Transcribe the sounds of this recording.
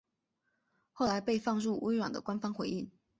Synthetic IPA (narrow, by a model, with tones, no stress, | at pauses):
xo˥˩ʊla˧˥ɪpe˥˧ɪfɑ˥˧ŋɻu˥˩wʔe˥ɪwa˨˩nd̪ə̰˦kwa˥nfɑ˥ŋxwe˧˥ɪi˥˩ŋ